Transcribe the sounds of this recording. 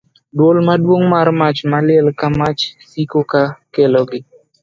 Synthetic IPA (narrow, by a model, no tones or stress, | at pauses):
dwolmadwoŋmaɾmat͡ʃmalɪɛlkamat͡ʃsikokakelɔɡɪ